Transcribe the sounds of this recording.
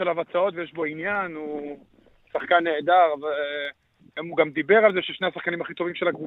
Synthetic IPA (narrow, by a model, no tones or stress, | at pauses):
elavat͡sao̞t̪vejeʃbo̞injanu | saχkanːeːd̪aʁve | emuɡamd̪ibe̞ʁalzeʃeʃne̞asaχkanimaχit̪o̞vimʃelaɡvu